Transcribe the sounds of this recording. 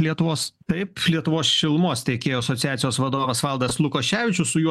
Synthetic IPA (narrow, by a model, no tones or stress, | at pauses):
lʲiɛt̪ʊʋoːst̪ɐɪplʲiɛt̪ʊʋoːsʃʲɪlˠmoːst̪ʲɛɪkʲeːjoːɐsoːt̪ʲɪjæːt̪ʲɪjoːsʋɐd̪oːʋɐsʋɐlˠd̪ɐslˠʊkoːʃʲæːʋʲɪt͡ʃʲʊsʊjuɔ